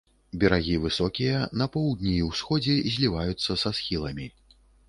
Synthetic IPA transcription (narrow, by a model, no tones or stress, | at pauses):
bʲɛɾaɣʲivɨsɔkʲijɐnɐpɔwd̪nʲiwsxɔd͡zʲɛzʲlʲivajut̪sːɐsasxʲilˠɐmʲi